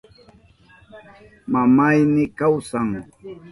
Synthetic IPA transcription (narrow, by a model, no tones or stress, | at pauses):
mamajnɪkawsaŋ